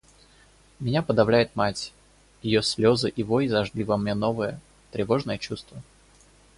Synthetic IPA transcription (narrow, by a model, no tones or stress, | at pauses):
mʲɪnʲapəd̪ɐvlʲæjɪt̪matʲ | jɪjosʲlʲo̞zɨʔivojzɐʐɡlʲivamnʲenovəjə | t̪ɾʲɪvo̞ʐnəjət͡ɕust̪və